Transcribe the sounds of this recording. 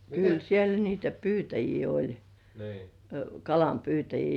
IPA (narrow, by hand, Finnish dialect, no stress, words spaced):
kyl siel niːtæ pyːtæjiː olʲ kɑlɑmpyːtæjiː